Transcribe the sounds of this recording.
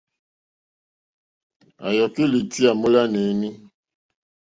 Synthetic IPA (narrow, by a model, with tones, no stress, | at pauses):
a˨jɔ˨ki˦li˨ti˦a˨mo˦la˦nɛ˨˦ni˦